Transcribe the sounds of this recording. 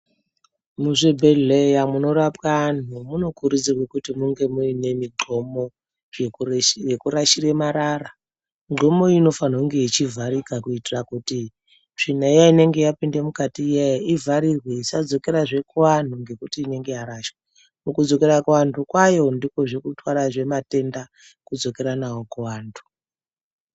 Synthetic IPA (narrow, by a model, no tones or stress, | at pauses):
muʐebʱeejamuno̞ɾapkan̤umuno̞kuɾud͡zirwekutimuŋɡe̞muine̞miŋ͡ǃʱo̞mo̞ | jekuɾaʃire̞maɾara | ŋ͡ǃo̞mo̞ino̞fan̤ouŋɡe̞it͡ʃivʱaɾikakuitirakuti | ʐ̥in̤aijaine̞ŋɡe̞japinde̞mukatijejaivaɾirweisad͡zo̞ke̞ɾaʐe̞kuwan̤uŋɡe̞kutiːne̞ŋɡe̞jaɾaʃwe | mukud͡zo̞ke̞ɾakuwantʰukwajo̞ndiko̞ʐekutwaɾaʐe̞mate̞nda | kud͡zo̞ke̞ɾanawo̞kuwaːntʰu̥